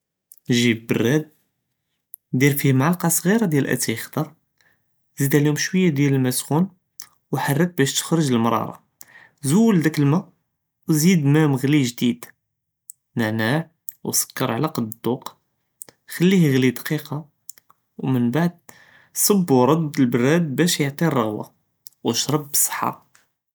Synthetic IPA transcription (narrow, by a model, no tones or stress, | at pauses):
ʒibbə̰rːæd̪̚ | d̪iɾfihmʕalqɑsˤɣiɾad̪jælʔæ̰t̪æjəxd̪ɑɾˤ | zid̪æliumʃwəjːad̪jæləlmæsxun | wħɑrˤːək̪̚bæʃt̪ə̥xɾəʒəlmɾˤɑ̰ɾˤɑ̰ | zuwːəld̪ækəlmæ | wzid̪mæməɣliʒd̪id̪̥ | nəʕnaʕ | wsə̥kːɑɾˤʕlæqɑd̪d̪ˤːuq | xælːihɣlid̪qiqɑ | wmənbaʕd̪̚ | sˤɑbːwɾˤɑd̪ːəlbərːæd̪̚bæʃjəʕt̪ˤirˤːɑɣwa̰ | wʃɾˤɑbːə̥sˤːə̥ħːa̰